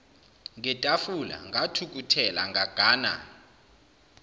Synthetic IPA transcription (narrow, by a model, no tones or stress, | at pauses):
ŋʱɛtʼafula̰ŋʱatʰuk̬ʼutʰɛla̰ŋaɡ̥ʱaːna̰